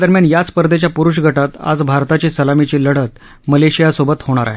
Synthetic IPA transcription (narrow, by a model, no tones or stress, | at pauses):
d̪əɾmjanjat͡spəɾd̪et͡ɕjapuɾuʂɡʱəʈat̪a̰d͡zbʱaɾt̪at͡ɕisəlamit͡ɕiləɽ̤ət̪ | məleɕijasobət̪hoɽ̃aɾa̰ɦe